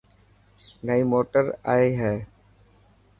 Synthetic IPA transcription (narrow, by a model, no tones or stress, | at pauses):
nəiːmoːʈəɾa̰ːeɦɛː